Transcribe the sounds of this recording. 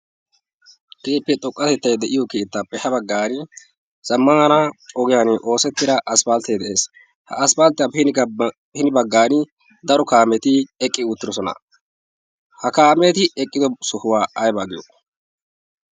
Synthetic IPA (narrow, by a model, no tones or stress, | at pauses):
keːpːɛt̪ʼɔkʼːɐt̪ɛt̪ːɐjd̪ɛʔɪjɔkeːt̪ːaːpːɛhɐbɐɡːaːnɪ | z̥ɐmːɐnɐɔɡɪjaːnʔo̞ːsɛt̪ːɪd̪ɐʔɐspaːlt̪eːd̪ɛʔe̞ːs | hɐ̰ɐspalt̪ːɪjɐphɪn | hɪnɪbɐɡːaːnɪ | d̪ɐɾɔkaːmɛt̪ɪɛkʼːɪʊt̪ːɪdɔsɔnɐ̰ | hɐkaːmɛt̪ɪɛkʼːɪd̪ɔsʊhʊwaːɐjbaːɡɪjo